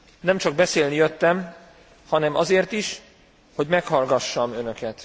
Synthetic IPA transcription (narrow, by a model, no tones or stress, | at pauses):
nɛmt͡ʃɒɡ̚bɛseːlnijøt̪ːɛm | hɒnɛmʔɒzeːrt̪iʃ | ho̞ɟmɛkhɒlɡɒʃːɒmø̞nøkɛt̪